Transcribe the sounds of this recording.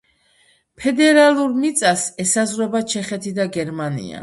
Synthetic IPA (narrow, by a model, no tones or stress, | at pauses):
pʰɛd̪ɛɾalˠuɾmit̪sʼasɛsazɾwɛbat͡ʃʰɛχɛt̪ʰid̪aɡɛɾmanḭa̰